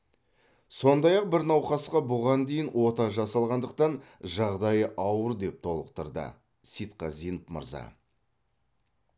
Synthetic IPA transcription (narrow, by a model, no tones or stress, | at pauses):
so̞nd̪ɑjɑq̚bɪɾnɑwχɑsqɑbʊʁɑnd̪e̞jɪnwo̞t̪ɑʒɑsɑlˠʁɑnd̪əq̚t̪ɑnʒɑʁd̪ɑjəʔɑwəɾd̪e̞p̚t̪ʰo̞lˠəqt̪əɾd̪ə̰ | sit̪qɑzijnəpmə̰ɾzɑ̰